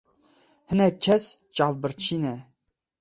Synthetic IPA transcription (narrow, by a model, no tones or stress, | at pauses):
hənɛkʲʰɛst͡ʃʼɑvbəɾt͡ʃʰinɛ